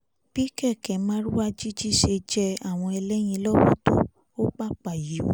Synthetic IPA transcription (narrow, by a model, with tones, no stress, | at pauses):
b̥i˦kɛ˦˨kɛ˨˦mã˦ɾu˦wa˦d͡ʒi˦d͡ʒi˦ʃe˧d͡ʒɛ˦a˦˨w̃ɔ̃˧ɛ˧lɛ˦j̃ĩ˧lɔ˦wo˦to˦ | o˦k͡pa˦k͡pa˨ji˨˦˨